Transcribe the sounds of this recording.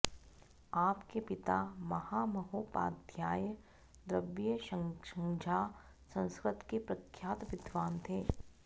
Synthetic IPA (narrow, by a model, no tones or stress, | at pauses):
aːpkepɪt̪amɐhamɐɦoːpa̰ːd̪ʱjaːjə | d̪ɾəbjəʃəʃɐ̃ŋd͡ʒʱaː | sɐ̃nskɾɪt̪kepɾɐkʰjaːt̪ʋɪd̪ʋaːnt̪ʰeː